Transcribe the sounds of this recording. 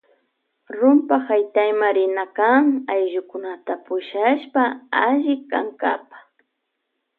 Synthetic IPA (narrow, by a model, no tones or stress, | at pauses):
ɾʊmpahajt̪ajmaɾɪnakaŋajʒʊkʊnat̪apʊʃaʃpaaʒɪka̰ŋka̰pḁ